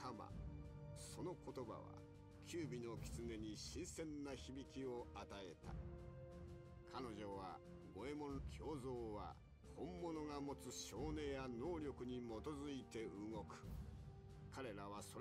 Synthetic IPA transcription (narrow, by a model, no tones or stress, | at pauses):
kama̰ | so̞no̞ko̞t̪o̞ba̰βa̰ | kʲʰɨːbʲino̞kʲi̥t͡sɨne̞ɲ̟iɕĩɰ̃sẽ̞nːaçibʲikʲio̞at̪ae̞t̪a̰ | kʰano̞ʑo̞βa | ɡo̞e̞mo̞kʲʰo̞ːzo̞ːβa̰ | hõ̞mːo̞no̞ŋamo̞t͡sɨɕo̞ːne̞ːjano̞ːɾʲjo̞kɯ̟ɲ̟imo̞t̪o̞zɨit̪e̞ɯŋo̞kɯ̟̥ | kaɾe̞ɾaβ̞aso̞ɾ